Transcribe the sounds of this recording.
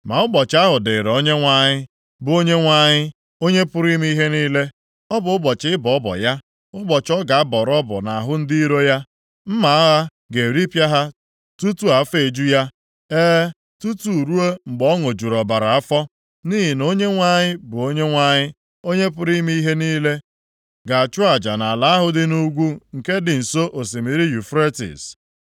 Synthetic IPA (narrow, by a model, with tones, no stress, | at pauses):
ma˨ʊ˦ɡ͡bɔ˨t͡ʃɪ˨˦a˦ɦʊ˨dɪ˨ɾo˦ɲe˦ŋʷa˨ɲɪ˦ | bʊ˨o˦ɲe˦ŋʷa˨ɲɪ˦ | o˦ɲe˦pʊ˦ɾi˦m˦i˦i˦ɦe˦niː˦le˦ | ɔ˦bʊ˨ʊ˦ɡ͡bɔ˨t͡ʃɪ˦ɪ˦bɔ˨ɔ˦bɔ̰˨ja˦ | ʊ˦ɡ͡bɔ˨t͡ʃɔ˦ɡa˨a˦bɔ˨ɾɔ˦bʊ̰˨na˨ɦʊ˦n̩˦di˦i˦ɾo˦ja˦ | m̩˦ma˨a˦ɦa˦ | ɡe˨ɾi˦pja˦ɦa˦ | tu˦tu˦a˨˦fe˨d͡ʒu˦ja˦ | eː˦ | tu˦tu˨ɾu˦e˦ŋ͡m̩˨ɡ͡bɔ˦ŋo˨d͡ʒu˨ɾɔ˨ba˨ɾa˨a˦fɔ˦ | niː˦ɦi˨no˦ɲe˦ŋʷa˦ɲɪ˦bʊ˨o˦ɲe˦ŋʷa˨ɲɪ˦ | o˦ɲe˦p̬ʊ˦ɾi˦mi˦i˦ɦe˦niː˦le˦ | ɡa˨a˨t͡ʃʊ˦a˨d͡ʒa˨na˨la˨˦a˦ɦʊ˦dɪ˦nu˦ɡʷu˦ŋ̩˨ke˦dɪ˨n̩˨so˦ʔo˨s̬i˨mi˨ɾi˦ju˨fɾe˦tḭ˨s